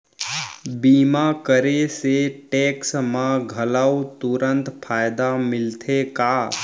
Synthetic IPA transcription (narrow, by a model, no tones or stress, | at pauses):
biːmakəɾeseʈeːksmãɡʱɐlawt̪ʊɾə̃nt̪pʰaːjd̪amɪlt̪ʰekaː